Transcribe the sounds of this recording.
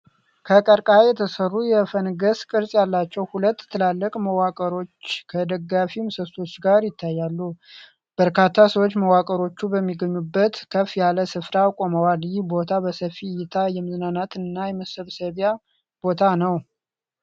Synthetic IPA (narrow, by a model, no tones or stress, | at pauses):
kʰəkʼəɾkʼajɛt̪ʰəsərːujɛfənɡəskʼɨɾsʼjalːat͡ʃːɛwhulət̪ːʰɨlalːəkʼməwakʼəɾo̞t͡ʃːkʰəd̪əɡːafimsəst̪o̞t͡ʃːɡaɾjɪt̪ʰːajːalːu | b̥əɾkʰat̪ʰːasəwot͡ʃːməwakʼəɾo̞t͡ʃːubəmːiɡəɲːubːət̪kʰəfjaləsɨfɾakʼo̞məwaljɪhbo̞t̪ʰabəsəfijɪt̪ʰajɛmɨznanat̪ɨnːajɛməsɨβsəβja | b̥o̞t̪ʰanəw